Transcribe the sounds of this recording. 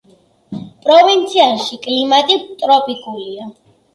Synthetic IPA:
pʼɾɔvint̪sʰiaʃikʼlimat̪ʼit̪ʼɾɔpʼikʼulia

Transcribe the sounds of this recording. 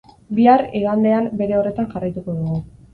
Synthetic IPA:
biaɾeɣand̪e̞ambe̞ɾe̞o̞re̞t̪anʝarajt̪uko̞ðuɣu

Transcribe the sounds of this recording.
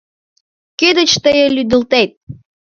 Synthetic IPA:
kød̪ə̆t͡ɕt̪əjəlyd̪ə̆lt̪et̪̚

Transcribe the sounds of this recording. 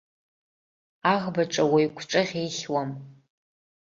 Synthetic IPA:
aʁbaʈ͡ʂʼawajkʷʰʈ͡ʂʼɨʁʲejχʲwam

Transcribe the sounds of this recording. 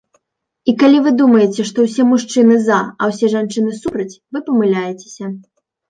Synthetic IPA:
ikalʲivɨd̪umɐjɛt͡sʲɛʂt̪ɔwsʲɛmuʂt͡ʂɨnɨzaɐwsʲɛʐant͡ʂɨnɨsupɾɐt͡sʲvɨpɐmɨlʲajɛt͡sʲe̥sʲɐ

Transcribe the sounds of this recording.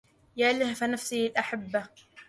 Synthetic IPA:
jaːlɪhfanafsilʔaħabːa

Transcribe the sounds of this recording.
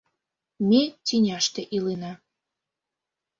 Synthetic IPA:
mʲetʲinʲɑʃt̪eʔilenɑ

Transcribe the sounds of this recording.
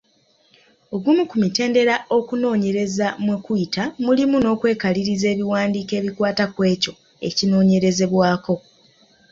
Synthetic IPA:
o̞ɡumukumite̞ːnde̞ɾao̞kuno̞ːɲe̞ɾe̞zamwekuitamulimuno̞ːkwe̞ːkaliɾize̞ːβiwaːndiːke̞ːβikwaːtakwe̞ːco̞ | e̞̰cino̞ːɲe̞ɾe̞ze̞βwaːko̞

